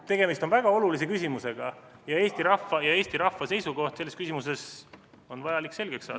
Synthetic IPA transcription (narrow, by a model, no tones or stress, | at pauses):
t̪e̞ɡ̥e̞mist̪onvæɡ̥ɑo̞lulis̬e̞kysʲimuse̞ɡ̥ɑjɑe̞ːst̪iɾɑfːɑjɑe̞ːst̪iɾɑfːɑse̞jsuɡo̞ht̪se̞lːeskysimuse̞s | o̞nvɑjɑlikːse̞lɡ̥eksːɑ̰̥ː